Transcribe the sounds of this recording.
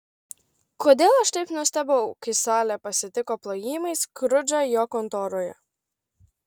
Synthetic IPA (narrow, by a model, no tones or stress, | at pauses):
koːd̪ʲeːlˠɐʃt̪ɐɪpnuɔst̪ʲɛboʊkʲɐɪsɑːlʲɛpɐsʲɪt̪ʲɪkɔplˠojiːmɐɪskɾʊd͡ʒʲɐjɔːkɔnt̪oːɾojɛ̰